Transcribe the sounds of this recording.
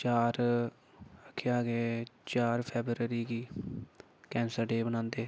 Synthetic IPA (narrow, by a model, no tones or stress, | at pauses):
t͡ʃaːɾ | əkʰːeaːɡeːt͡ʃaːɾpʰɛːbɾəɾiːɡiː | kɛ̃ːnsəɾɖeːbənãːnd̪eː